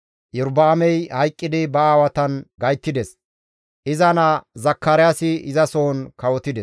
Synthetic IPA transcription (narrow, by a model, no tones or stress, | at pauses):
jʊɾbaːmɛjhɐjkʼːɪd̪ɪbɐaːwɐt̪ɐnɡɐjt̪ːɪd̪ɛs | ʔɪzɐnɐzɐkːaːɾɪjasɪɪzɐsoːnkɐwɔt̪ɪd̪ɛs